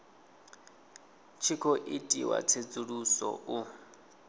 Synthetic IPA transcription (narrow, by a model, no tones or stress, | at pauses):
t͡ʃʰikʰɔʔitʼiwa̰t͡sʰet͡sʼuɺusɔ̰ʔu